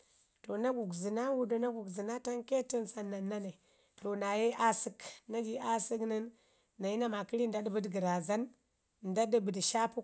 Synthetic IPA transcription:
to˨na˦ɡu˨kzɨ˨na˦wu˦də˦na˦ɡu˨kzi˨na˦ta˦nke˦tə˦nsa˨nːa˨nːa˦ne˨ | to˨na˨je˦ʔa˦si˦kna˦ɡi˨a˦sə˦knə˦nː | a˨ji˦na˦ma˨ki˦ɾi˦n˨da˦dbə˦dɡə˨ɾa˨za˦n | n˨da˦də˦bə˨dʃa˦pu˦

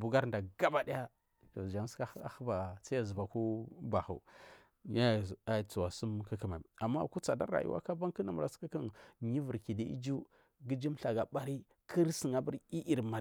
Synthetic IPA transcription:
bu˨ɡa˦ɾnda˨ɡa˦ba˨di˦ja˦ | to˨d͡ʒa˨m˦ska˦a˦˨xə˦ba˨sa˦a˨zu˨ba˨ku˦ba˨xṵ˨ | ja˦ja˨t͡su˨wa˨su˦mki˦ki˨ma˨i˨a˨mːa̰˦˨ku˦t͡sa˨da̰˦ɾa̰˨jṵ˦wa̰˦ka˦ba˦ŋkə˦na˨m˨ɾa˨ski˦ki˦nɲi˦və˨ɾki˨di˦ʔḭ˦d͡ʒu˦ | ɡi˦d͡ʒi˦mɬa˨ɡa˨ɓa˦ɾi˦ | kʰi˦ɾsi˨ŋa˨bu˦ɾi˦ʔi˨ɾma˨

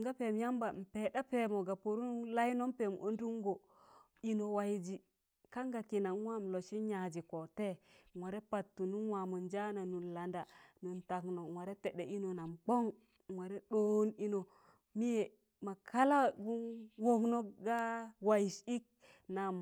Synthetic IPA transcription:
ŋɡa˦pe˨m˦ja˦mba˨m̩˨pe˨ɗa˦pe˦˨mo˨ɡa˨po˨ɾu˦la˦jno˦mpe˨mo̰˨o˦n˦du˦ŋɡo˨ | i˦no˨wa˨ji˨d͡ʒi˨ | ka˦ŋɡa˨ki˨na˨˦wa˦m˨lo˨ʃi˦ɲa˨d͡ʒi˨ko˨te˦˨wa˨ɾe˦pa˨tːu˨nu˦nwa˨mu˨nd͡ʒa˦na˨nu˨nla˨nda˨nu˨nta˨kno˨wa˨ɾe˦te˨ɗe˨ʔi˦no˨na˨mbo˦ŋ | wa˨ɾe˦ɗo˦ni˦no˨ | mi˦je˨ | ma˨kʰa˦la˦ɡu˦nwo˦kno˦ɡa˦wa˨ji˨ʃi˦k̚ | na˨m

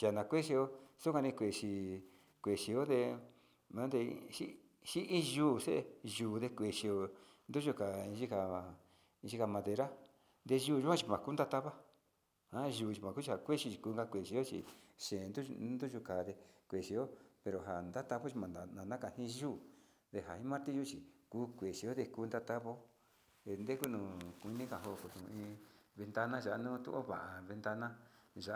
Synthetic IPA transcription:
t͡ʃa˨nã˨˧kʷe˦ʃi˧o˧su˦kʷa˧nĩ˧kʷe˨ʃi˧˨ | kʷe˨ʃi˧o˦d̪e˧ | mã˨˦d̪e˧ʃi˦ | ʃi˦ʔĩ˦ʒuː˦˨se˦ʔʒuː˨˧ðe˧kʷe˧˨ʃi˧o˧ | nd̪u˦ʒu˧ka˨ĩ˧ʒi˦ka˧ | ĩ˧ʒi˦ka˧mã˧ðe˧ɾa˦ | nd̪e˧ʒuː˦˧ʒu˦kʷã˦t͡ʃi˧mã˨ku˦nd̪a˦t̪a˦βa˦ | hã˦ʒuː˨t͡ʃi˧mã˨ku˦t͡ʃi˧ha˨kʷe˦ʃi˧t͡ʃi˧kuː˧ŋɡa˧kʷe˨ʃi˧o˦t͡ʃḭ˨ʃẽː˨˧nd̪u˦nd̪u˦ʒu˧ka˨ðe˧kʷe˨ʃi˧˦o˦pe˨ɾo˨ɦa˨nd̪a˦t̪a˧βo˦t͡ʃi˧mã˨a˨nã˨nã˦ka˧hĩ˦ʒuː˦ | d̪e˧ɦa˨hĩ˦mã˦ɾt̪i˦ʒu˦t͡ʃi˨kuː˦kʷe˨ʃi˧o˦ðe˧kuː˧nd̪a˦t̪a˦βo˦ | e˧nd̪e˦ku˦nũ˧˨kʷu˧nĩ˦ka˨ɦo˧˨ko˨t̪ũ˨˧ĩː˧βe˧nt̪a˧nã˦ʒa˨ʔa˧nũ˦t̪ṵ˦ʔo̰˦βa˨ʔa˨βe˧nd̪a˧nã˦ʒa˨˦

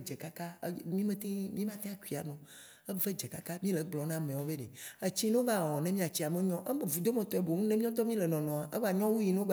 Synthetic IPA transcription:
d͡ʒe˨ka˦ka˦mĩ˦mẽ˦t̪e˦mĩ˦mã˦t̪e˦a˦˨ku˦i˨a̰˨nɔ̃˨ | e˦ve˦d͡ʒe˨ka˦ka˦mĩ˦le˨ɡ͡blɔ˨nã˦mẽ˨wo˦be˦ɖe˨e˦t͡ɕi˦ñ˦o˦va˦˨wɔ˨nẽ˦mĩ˦a˨t͡ɕi˦a˨mẽ˦ɲɔ̃˦ʔe˦me˨vu˨d̪o˦mɛ̃˨t̪ɔ˨e˨bo˨nũ˦nẽ˦mĩ˦ɔ̃˦d̪ɔ˦mĩ˦le˨nɔ̃˨nɔ̃˨a˨ʔe˦va˨ɲɔ̃˦wu˦ji˨ne˦o˦ɡ͡b

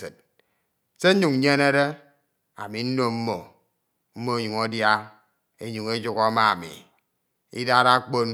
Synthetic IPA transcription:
ḛ˨t̚ | se˦ɲu˨ŋ̩˦ɲe˦ne˦ɾe˦ | a̰˨mi˨n̩˦no˦m̩˦mo˨ | m̩˦mo˦e˦ɲu˨ŋo˦dja˦ | e˦ɲu˨ŋe˦d͡ʒu˦kɔ˦ma˦a˨mḭ˨ | ḭ˦da˦ɾa˦k͡po˦n

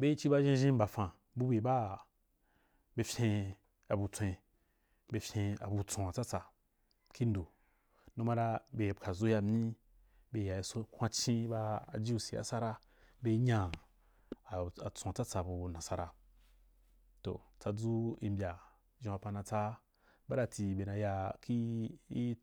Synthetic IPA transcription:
be˦i˦t͡ʃi˦ba˦ʒĩ˦ʒĩ˦m̩˦ba˨fã˨ | bu˦be˨ba˦ | be˧fʲẽ˧ | a˨bu˧t͡sʷẽ˧ | be˧fʲẽ˧a̰˨bu˧t͡sõ˨a˨t͡sa˦t͡sa˨ | ki˦n˦do˨ | nũ˦ma˦ɾa˧be˧˨kʰa˨zo˦ja˧mʲĩ˦ | be˧˨ja˨i˨˦so˦kʰʷã˧˦t͡ʃĩ˦ba˧a̰˨d͡ʒi˦u˧si˨a̰˦sa˦ɾa˦ | be˧˦ɲã˧˨ | a˨t͡sõ˨a˨t͡sa˦t͡sa˨bu˧˨nã˨sa˧ɾa̰˧ | to̰˨t͡sa˧d͡zu˦i˧mbʲa˨ | ʒĩ˧a˧pa˧nã˧t͡sa˦ | ba˦ɾa˧ti˧˨be˨na˧ja˧ki˦i˦

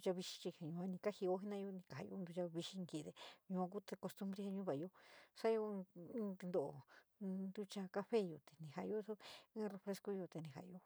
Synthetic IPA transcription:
t͡ʃa˧βi˧ʃi̥˧t͡ʃi˧he˨ɲũ˧ã˧nĩ˧ka˦hi˧o˦ɦi˦nã˦jo˧nĩ˧ka˨ha˧jo̰˧nd̪u˧t͡ʃa˧βi˧ʃi˦˧ŋki˧˨ðe˨ɲũ˧ã˧ku˦t̪e˧ko˧st̪u˧˦mbɾe˦he˧ɲũ˦βa˨˧jo˦sa˦jõ˧˦t̪i˧d̪o˨o̰˨nd̪u˦t͡ʃa˧ka˦˧ɸe˦jo˧t̪e̥˨nĩ˨ha˨˧jo˦so˦ĩː˦re˧fɾe˧sko˦jo˧t̪e˧nĩ˧ha̰˨˧jo˧

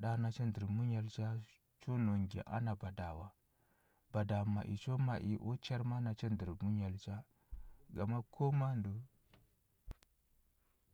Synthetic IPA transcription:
ɗa˦na˨t͡ʃe˦ndi˨ɾmu˦ɲa˨lt͡ʃa˦ | t͡ʃo˦no˨ŋɡḛ˨ʔa̰˦na˨ba˨da˨wa˨ | ba˨da˨mːa̰˨ʔḭ˨t͡ʃo˦ma˨ʔi˨ʔo˦t͡ʃa˦ɾma˦na˨t͡ʃe˦ndi˨ɾmu˦ɲa˨lt͡ʃa˦ | ɡa˨ma˦kʰo˦ma˦ndo˨

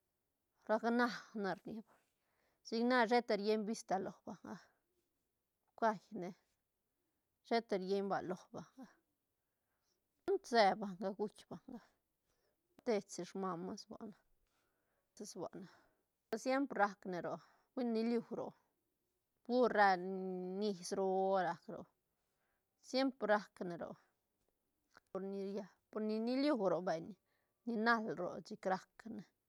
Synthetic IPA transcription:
ɾa˧kna˦na˧ɾni˧ba˨ | si˧kna˦ʐe˦t̪e˧ɾje˦jbi˦st̪a˧lo˨hba˨ŋɡa˧ | kʷa˧jne˧ | ʃe˦t̪e˧ɾje˦jmba̰˨lo˨hba˨ŋɡa˧ | u˦nt̪se˧ba˨ŋɡa˧ɡu˦t͡ʃba˨ŋɡa˧ | d̪e˧t͡si˨ʂma˧ma˦sba̰˨na˧ | se˧sbʷa̰˨ʔna˨˧ | sje˦mpɾɾa˧kne˨ɾo˨ | wʷi˦nːi˧lju˧wɾo̰˨ | bɡu˦ɾe˧ni˧sɾo˧o˦ɾa˧kɾo̰˨ | sje˦mpɾɾa˦kne˨ɾo̰˨ | po˧ɾni˧ɾja˧ | po˧ɾni˧ni˦lju˧˨wɾo˨be˨ɲ | ni˧na˦lɾo̰˨t͡ʃi˧kɾa˦kne˨

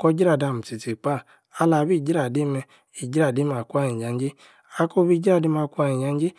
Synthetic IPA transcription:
kɔ˧˦d͡ʒi˦ɾa˦˨da˧˨m̩˨ti˨ti˨k͡pa˦˨ | a˧˦la˧bi˦˨d͡ʒi˦ɾa˨de˨˦mɛ˧ | i˨d͡ʒi˦ɾa˦˨de˦ma˨ku˦a˧ɲĩ˨d͡ʒa˨˦n˦d͡ʒe˦ | a˧˦ko˦bi˦d͡ʒi˦ɾa˦˨de˧˦ma˧kʷu˦a˧˨ĩ˨d͡ʒa˨˧˦n˦d͡ʒe˦

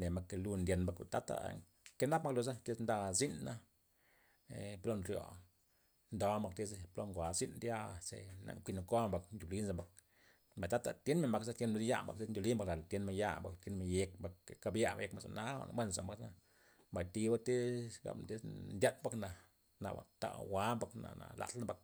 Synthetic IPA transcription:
ne˨ma˧ke˧lu˧nd̪ʲe˧nba˧ka̰˨t̪a˦t̪a̰˧˨ | ke˦na˦pma˦klu˧z̬a˦t̪e˦snd̪a˧zi˦nːa˦ | ḛ˨plo˦nɾjo̰˨ | nd̪o˨˦ma˧k̚t̪e˦splo˧ŋɡʷa˨zi˦nd̪ja˧sḛ˨na̰˨ŋkʷi˧no˨ko˦ba˨kndʲu˨li˦nza˧ba˨k̚ | ma˨t̪a˦t̪a̰˨t̪je˦nme˨nba˨ksa˦t̪je˧˦nm˧ɾja̰˦mba̰˨kte˦ndʲu˨li˦mba˧kla˨lt̪je˦nma˧ja̰˦ba˨kt̪je˧nma˧je˧kba˧kka˧bja˦a̰˨je˧kma˧˨za̰˨na˦a̰˨mbʷwe˦n˨sa̰˨mba˧ka˧ | mba˨jt̪i˧ba˦t̪i˦ɡa̰˨mt̪i˦snd̪ʲa˦t̪̚ba˦kna˨ | na̰˨ba̰˨t̪a̰˧˨wa˦mba˧kna̰˨na̰˨la̰˨tna˦ba˧k̚

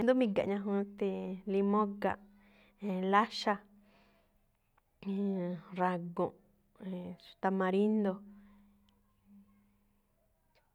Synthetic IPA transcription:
nd̪u˦mĩ˧ɡa̰˨ʔɲã˧ɦũ˧t̪e˧li˧mõ˦ɡa̰˧˨ʔ | ẽ˧˨la˦ʃa˧ | ɾa˧ɡõ˨ʔ | e̥˨t̪a˧mã˧ɾi˦nd̪o˧

